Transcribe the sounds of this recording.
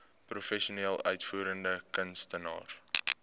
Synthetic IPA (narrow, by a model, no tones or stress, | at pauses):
prufɛʃoneːlˠœ̰ɥtfuːɾəndəkənstənɑ̰ːr